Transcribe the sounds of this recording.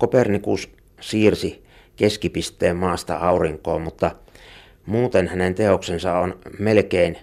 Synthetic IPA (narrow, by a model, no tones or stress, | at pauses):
kopernikus | siːrsi | keskipist̪ːˑeːmmɑːst̪ɑ̰ɑuriŋko̰ːmut̪ːɑ | muːt̪enhænent̪eoksensɑonmelkein